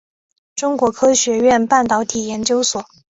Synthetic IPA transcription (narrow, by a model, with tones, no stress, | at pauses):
ʈ͡ʂʊ˥ŋkwɔ˧˥kʰɤ˥ɕɥɛ˧˥ɥɛ˥˧npa˥˩nt̪ɑ˧˥ʊt̪ʰi˨˩jɛ˧˥nt͡ɕjo˥ʊswɔ˨˩˦